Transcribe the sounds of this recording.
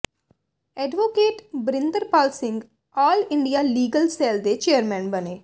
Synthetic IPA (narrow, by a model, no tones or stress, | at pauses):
ɛːɖʋoːkeːʈbɾɪ̃nd̪əɾpaːlsɪ̃ŋɡ | aːlɪ̃ɳɖijaːliːɡəlsɛːld̪et͡ʃeːəɾmɛ̃ːnbəneː